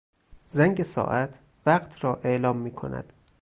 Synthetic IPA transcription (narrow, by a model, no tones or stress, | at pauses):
zæŋɟesɒ̰ːʔæt̪ʰ | væɢt̪ʰɾɒːʔe̞ʔlɒːmːiːkʰo̞̰næ̰d̪̥